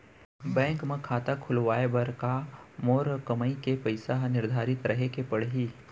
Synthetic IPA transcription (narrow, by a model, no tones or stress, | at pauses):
bɛ̃ːŋkmẽkʰaːt̪akʰʊlʋaːebɐɾkamoːɾkɐməikepɐɪsanɪɾd̪ʱaːɾɪt̪ɾɐɦekepɐɽɦiː